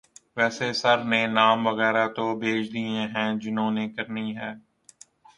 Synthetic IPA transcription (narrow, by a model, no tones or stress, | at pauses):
ʋɛːsesɐɾnenaːmʋɐɣɛːɾat̪oːbʱeːd͡ʒʰd̪iẽɦɛ̃ːd͡ʒɪnõːneːkɐɾniɦɛː